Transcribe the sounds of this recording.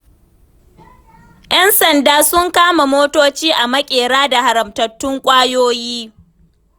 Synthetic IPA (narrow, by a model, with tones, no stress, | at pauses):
ʔj̰ɛ˦nsɐ˨ndaː˦sʊ˦ŋkaː˦ma˨moː˦toː˦t͡ʃiː˦ʔa˨mɐ˦kʲʼeː˨ɽaː˦da˨ha˨ɾɐ˨mtɐ˨tːʊ˦ŋkʷʼaː˦joː˦jiː˦